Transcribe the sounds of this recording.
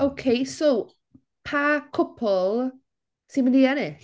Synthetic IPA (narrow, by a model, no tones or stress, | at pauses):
owkʰejsow | pʰakʰʊpʰɔlˠ | sinməniɛnɪɬ